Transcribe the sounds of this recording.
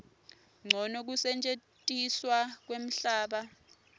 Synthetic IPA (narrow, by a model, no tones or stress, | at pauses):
ŋ͡ǀʱɔnok̬usɛnt͡ʃʼetʼiswak̬wem̩ɬaːɓa